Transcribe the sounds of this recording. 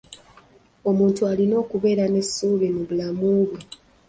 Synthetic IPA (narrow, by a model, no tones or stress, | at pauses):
o̞muːntualino̞ːkuβe̞ːɾane̞suːβemuβulamuːβwe